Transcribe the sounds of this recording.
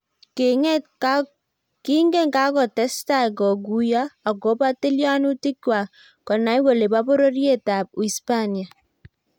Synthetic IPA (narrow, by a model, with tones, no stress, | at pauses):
ke˨ŋɛ˦t | kɪ˦ŋɡɛ˦ŋɡa˦kɔ˨tɛ˦sta˦˨kɔ˨ɡ̬u˨ja˦a˨kɔ˨˦ba˦ti˦lja˦nu˦ti˦kwa˨ | kɔ˨na˨˦i˦ko˨le˨ba˦bo˦ɾo˦ɾje˦˨ta˨p̚i˨spa˦nja˨